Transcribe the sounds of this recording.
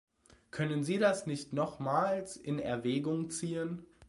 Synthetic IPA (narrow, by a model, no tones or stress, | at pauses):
kʰœnənziːdasnɪçtnɔχmaːlsɪnɛ̰ɐvɛːɡʊŋt͡siːən